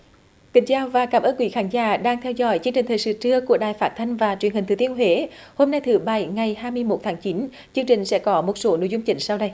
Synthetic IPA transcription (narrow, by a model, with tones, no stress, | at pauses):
k̪ï˨˩˦ŋ̟t͡ɕaː˧wvaː˨˩kaː˨˩mʔəː˧nkwḭ˨˦xaː˨˦nza̰ː˧˦ɗaː˧ŋt̪ʰɛ˧wzɔ̰˧˥˦jt͡ɕɨ˧ŋt͡ɕï˨˩ŋ̟t̪ʰəː˨˩jsɨ̰˧˦t͡ɕɨ˧əku˧˩əɗaː˨˩jfaː˦˥t̚t̪ʰa˧jŋ̟vaː˨˩t͡ɕwənhi˨˩ŋ̟t̪ʰt̪i˧ənɦwe˧˩˦ho˧mna˧jt̪ʰɨ˨˦ɓa˧˩jŋa˨˩jhaː˧jmɨ˧əjmo˨˩t̚t̪ʰaː˨˦ŋt͡ɕi˨˦n | t͡ɕɨ˧əŋt͡ɕï˨˩ŋ̟sɛ̰˧˥kɔ˨˦mo˨˩t̚so˨˦no̰˧˨jzʊ˧ŋ͡mt͡ɕï˨˦ŋ̟sa˧wɗə˧j